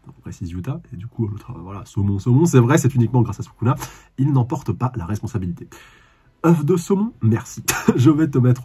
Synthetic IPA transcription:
pχesizjut̪aed̪ykʰuølot̪χavvwalasomɔ̃somɔ̃s̬ɛvʁɛsɛt̪ynikmɑ̃ɡʁasasu̥kuna | ilnɑ̃pɔʁt̪əpalaʁɛspɔ̃sabilit̪e | œfd̪əsomɔ̃mɛʁsiʒəvɛt̪əmɛt̪χ

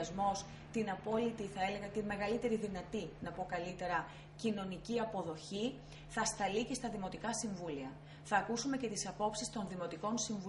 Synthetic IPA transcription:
zmo̞s | t̪inɐpo̞lit̪iθɐe̞le̞ɣɐt̪inme̞ɣɐlit̪e̞ɾiðinɐt̪inɐpo̞kɐlit̪e̞ɾɐ | cino̞niciɐpo̞ðo̞çi | θɐst̪ɐlice̞st̪ɐðimo̞t̪ikɐsiɱvuliɐ | θɐːkusume̞ce̞t̪isɐpo̞psist̪o̞nðimo̞t̪iko̞nsiɱvu

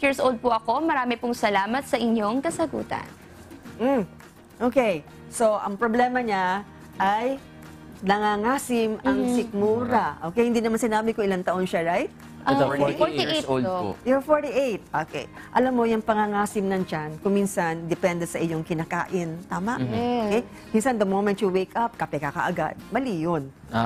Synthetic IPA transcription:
jɪɹsʔold̪̚pʊʔɐko̞mɐɾaːmɪpʊŋsɐlaːmɐt̪̚sɐʔɪɲoŋkɐsɐɡṵːt̪ɐ̰n | m̩ | ʔoːkej | so̞ʔɐŋpɾoblɛmɐɲa | ʔaj | nɐŋaŋaːsɪmʔɐŋsɪk̚muːɾɐʔoːkɛjhɪnd̪iːnɐmansɪnaːbɪkʊŋʔɪlant̪ɐʔo̞nʃaɹajt̪̚ | ʔ | oo̰jofoɹt̪iʔejt̪̚ʔokḛj | ʔɐlamːo̞jʊŋpɐŋaŋaːsɪmnɐŋt͡ʃankʊŋminsɐnd̪ɪpɛnd̪ɛsɐʔɪɲo̞ŋkɪnaka̰ːʔɪnt̪aːmɐ̰ʔokɛj | minsɐnd̪ɐmowmɛnt̪jʊwejkɐp̚kɐpɛkakɐ̰ʔɐɡa̰d̪̚mɐlijon

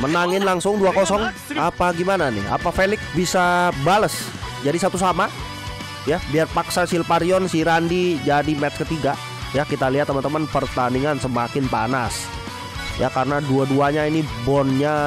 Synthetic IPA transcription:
mənaŋɪnlaŋsʊŋduakosɔŋ | apaɡimananɪ̰ha̰pafelɪksbisabaləs | d͡ʒadisap̚t̪usama | jabiarpaksasilpaɾiɔnsiɾandid͡ʒadimɛt̪skət̪iɡa | jakit̪aliat̪ːəmant̪əmanpərt̪andiŋansəmakɪnpa̰nas | jakaɾənaduaduaɲainibɔnɲa

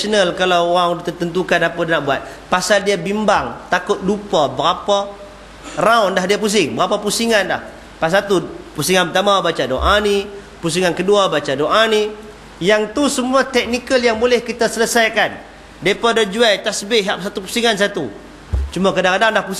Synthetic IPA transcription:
ənəlkalawoaŋt̪ət̪ənt̪ukanapadnaʔbuat̪̚ | pasaldiabimbaŋt̪akʊt̪̚dupabəɾapa | raʊndaɦdiapus̬ɪŋbəɾapapusiŋanda̰h | pas̬at̪upusiŋanpət̪amabat͡ʃadoʔani | pus̬iŋankəduabat͡ʃadoʔani | jaŋt̪usəmuat̪ɛk̚nikəljaŋbolɛhkit̪asələsajkan | dipadəd͡ʒuajt̪asbɪʔɦaʔsat̪upusiŋans̬at̪u | t͡ʃumakadaŋkadandlahpu

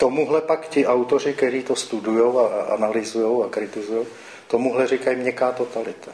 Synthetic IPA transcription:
t̪omuɦlɛpakcɪʔawt̪orɪkt̪ɛɾiːt̪ost̪udujowaʔa̰nalɪzujo̞wakɾɪt̪ɪzujow | t̪omuɦlɛrɪkajimɲɛkaːt̪ot̪alɪt̪ʰḁ

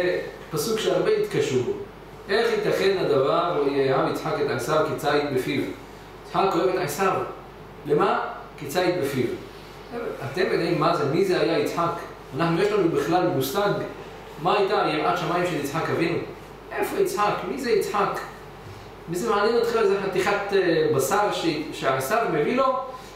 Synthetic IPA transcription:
zepasukʃeaʁbeit̪kaʃubo | ʔeχit̪aχed̪nad̪avaʁuiajaamit͡sħaket̪ʕasaʁkit͡sait̪̚befiv | it͡sħakojevet̪ʕasav | lema | kit͡sait̪befiv | at̪emenaimːazemizehajait͡sħak | anaħnujeʃlanubiχlalmusaɡ | maajt̪ajiʔatʃamajimʃelit͡sħakavinu | ʔefoit͡sħakmizeit͡sħak | mizemaʕanjenot̪χilalezeħat̪iχat̪basaʁʃeʃeaʕasaʁmevilo

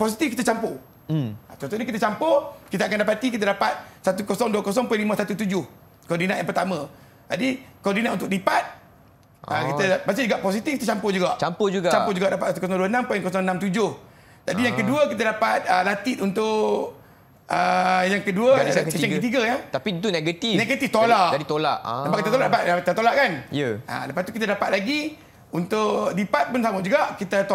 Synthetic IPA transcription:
pɔs̬it̪ifkit̪ət͡ʃampo | at̪ɔnt̪uʔɲakit̪ət͡ʃampʊkit̪əakandapat̪ik̬it̪adapat̪̚sat̪ukosɔŋduəkɔs̬ɔŋpujnlimə̃sat̪ut̪ud͡ʒʊh | kɔrdinaʔjãŋpərt̪amə̃ | d͡ʒadikɔdinatʔunt̪ʊk̚dipat̪̚ | ə̰kit̪əmasid͡ʒuɡaʔpɔs̬it̪ifkit̪ət͡ʃampʊd͡ʒuɡaʔt͡ʃampʊd͡ʒuɡt͡ʃapʊhd͡ʒuɡaʔdapat̪sat̪ukɔs̬ɔŋduənãmpujɛŋkɔsɔŋnamt̪ud͡ʒʊh | d͡ʒadijaŋkəduəkit̪adapat̪̚əlat̪it̪unt̪ʊʔʔ | əjaŋkəduəksəəŋkət̪iɡəjat̪apiit̪uneɡət̪ineɡət̪ift̪olaʔadit̪ola̰ʔəbakit̪ət̪olaʔdapaakit̪at̪olaʔkanjəə̰ləpast̪u̥kit̪adapat̪̚laɡi | unt̪ʊʔdipat̪̚pʊnsamʊd͡ʒuɡaʔkit̪ət̪o

